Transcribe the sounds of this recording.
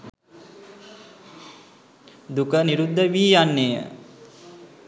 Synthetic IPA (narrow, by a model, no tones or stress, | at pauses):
d̪ukəniɾud̪ʱːəʋiːjanːejə̰